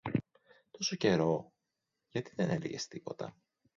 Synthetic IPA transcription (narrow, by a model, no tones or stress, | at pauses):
t̪o̞so̞ce̞ɾo̞ | ʝɐt̪iðe̞nelḭʝe̞̰st̪ipo̞t̪ɐ̰